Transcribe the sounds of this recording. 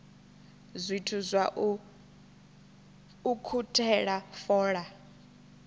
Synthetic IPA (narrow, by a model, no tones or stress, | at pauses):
zʷitʰuzʷwaʔ | ukʰutʼʰɛɺafɔːɺa